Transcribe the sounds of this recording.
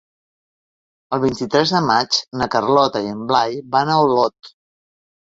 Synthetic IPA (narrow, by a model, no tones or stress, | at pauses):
əlˠβint̪it̪ɾɛzðəmat͡ʃnəkərlɔt̪əiəmblajbanəwlɔt̪